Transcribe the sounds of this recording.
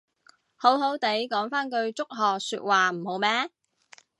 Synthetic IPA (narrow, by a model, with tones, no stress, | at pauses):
ho˨˥wɦo˨˥wt̪e˨˥jkɔː˨˥ŋfaː˥nkɵ˧ɥt͡sʊ˥k̚ɦɔː˨sy̰ː˧t̚waː˨m̩˨˩ho˨˥wmɛː˥